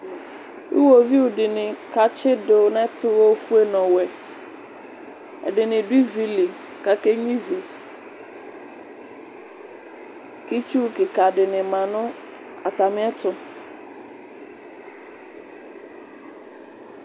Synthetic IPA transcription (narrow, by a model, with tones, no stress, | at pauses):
ḭ˦wo˨vi˦wʊ˨dɪ˨nɪ̃˨ka˨t͡ʃʰɪ˦dʊ˨nɛ̃˦tʰʊ˦wɔ˦fu˦e˦nɔ̃˨wɛ˨ | ɛ̰˨dɪ˨nɪ̃˨dʊ˦i˦vi˦li˨ | ka˨ke˦ɲĩ˦vi˨ | ki˦t͡ʃu˦kɪ˨ka˨dɪ˨nɪ̃˨mã˨nʊ̃˦ | a˨ta˨mɪ̃˦ɛ˦t̪ʰʊ˨